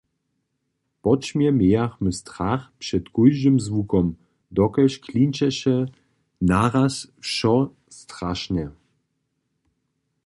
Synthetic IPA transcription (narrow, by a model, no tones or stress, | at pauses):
pɔt͡ʃmjɛmjɛjaxmɘst̪ɾaxpʂɛt̪kujʒɨmzvukɔm | d̪ɔkɛɕkʰlinʲt͡ʃɛɕɛ | naɾasfʃɔ | st̪ɾaʃnɛ